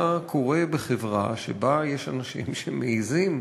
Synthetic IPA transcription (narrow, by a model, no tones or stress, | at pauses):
akʰo̞ʁe̞beχevʁa̰ʃḛbajeʃanaʃḭmʃemeizim